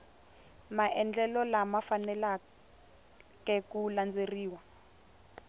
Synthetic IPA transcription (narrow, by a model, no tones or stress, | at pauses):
maʔɛnd͡ɮɛlɔlamafanɛla | kɛkuland͡zeriːwa